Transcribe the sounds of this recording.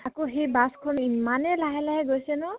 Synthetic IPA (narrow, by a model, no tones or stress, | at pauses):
akoɦejbaskʰɔnimanɛlaɦɛlaɦɛɡojsɛnɔ